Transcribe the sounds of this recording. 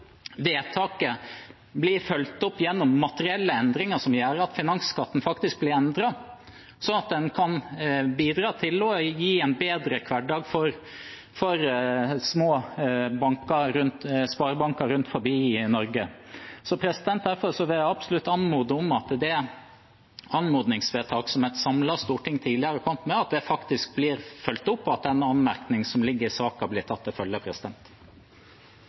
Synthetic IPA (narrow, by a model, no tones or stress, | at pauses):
ʋeːt̪ʰɑːkə | blɪɾfœlt̪ɔpːjɛnːɔmːɑt̪əɾɪɛlːəɛnd̪ɾɪŋəʂɔmjæːɾəɑt̪fɪnɑŋskɑt̪ːn̩fɑkt̪ɪsk̚blɪɾɛnd̪ɾɑ | sɔnɑt̪̚d̪ɛnkʰɑnbiːd̪ɾɑːt̪ʰɪlɔjiːɛnbeːd̪ɾəkʰʋɑɖɑːɡfɔɾ | fɔɾsmoːbɑŋkɑɾʉnt̪spɑːɾbɑŋkɑɾʉnt̪fɔɾbiːɪnɔɾɡəsɔpʰɾɛsɪd̪ɛnt̪̚d̪æɾfɔɾsɔʋɪɑbsʊlʉt̪ːɑnmuːd̪əɔmɑt̪d̪ɛ | ɑnmuːd̪nɪŋsʋeːt̪ʰɑːksɔmɛt̪sɑmlɑst̪uːʈɪŋt̪ʰiːlɪɑɾəkʰɔmt̪mɛɑt̪̚d̪ɛfɑkt̪ɪsk̚bliːɾfœlt̪ʊpːɔɑt̪̚d̪ɛnɑnmæɾknɪŋsɔmlɪɡːəɾɪsɑːkɑblɪːʈ̪ʰɑt̪ːɪlfœljəpʰɾɛsɪd̪ɛnt̪